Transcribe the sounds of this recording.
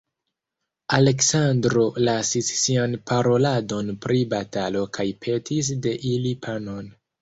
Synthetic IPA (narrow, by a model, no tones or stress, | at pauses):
ale̞ksandɾo̞lasisːianpʰaɾo̞lado̞npɾʔibatalo̞kʰajpʰe̞tʰis̬de̞ʔilipʰano̞n